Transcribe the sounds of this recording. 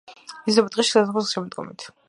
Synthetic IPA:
izd̪ɛbat̪ʼiʃi̥sasaχɔsʃɛmɔd̪ɡɔ̰mit̪ʰ

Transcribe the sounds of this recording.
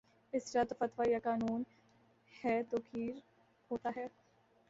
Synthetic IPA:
ɪsɾat̪ofɐt̪ʋajakaːnuːn | hɛːt̪oːkʰiːɾ | hoːt̪aɦɛː

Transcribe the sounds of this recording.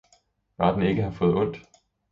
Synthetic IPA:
ʋɑ̈ːd̥n̩e̝ɡ̥əɦæfɔ̽ːð̞̩ˠɔ̽n̰d̥

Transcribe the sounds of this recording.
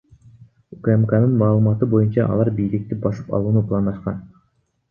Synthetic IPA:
ukremkanɯnmɑːlˠɯmɑt̪ɯbo̞junt͡ʃɑʔɑ̰lˠɑɾbijlik̚t̪ibɑsɯ̥pɑ̰lˠuːnuplˠɑnd̪ɑʃqɑ̰n

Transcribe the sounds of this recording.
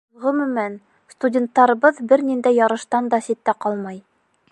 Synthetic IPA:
ʁɤmɵ̆mæn | st̪udʲent̪ːɑɾɤ̆βɤðbɘɾnind̪æjːɑɾɤ̆ʃt̪ɑnd̪ɑsit̪ːæqɑlˠmɑj

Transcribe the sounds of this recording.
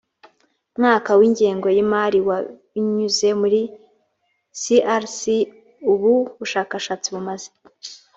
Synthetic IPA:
mŋaːkawiːɲɟeːŋɡo̞jimaɾiwa | iɲuzemuɾi | siʔaɾsi | uβuβuʃaːkaʃaːt͡siβumaze

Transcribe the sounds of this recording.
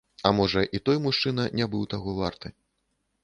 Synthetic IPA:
ɐmɔʐɐʔit̪ɔjmuʂt͡ʂɨnɐnʲabɨwt̪aɣɔvart̪ɨ

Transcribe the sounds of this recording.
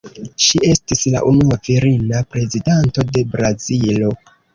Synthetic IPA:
ʃiʔe̞stisla̰ʔunuaviɾinapɾe̞zidanto̞de̞bɾazilo̞

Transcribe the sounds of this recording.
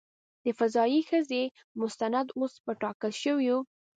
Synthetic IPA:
d̪̥əfazɑixəze | mʊst̪anad̪ospəʈɑkəlʃəwju

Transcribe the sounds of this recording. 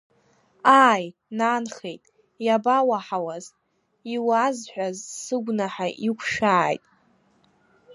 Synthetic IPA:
aːjnanχejtʼ | jabawaħawaz | iwazħʷᶣazsɨɡʷnaħaʔikʷʰʃaːjtʼ

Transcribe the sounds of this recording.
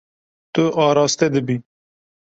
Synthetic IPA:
t̪oʔɑːɾɑːst̪ed̪əbi

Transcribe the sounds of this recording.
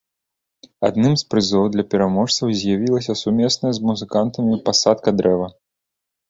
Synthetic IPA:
a̰d̪nɨmspɾɨzɔwd̪lʲɐpʲɛɾamɔʂt̪sɐwzʲjavʲilˠɐsʲɐsumʲɛsnɐjɐzmuzɨkant̪ɐmʲipasat̪̚kɐd̪ɾɛvɐ

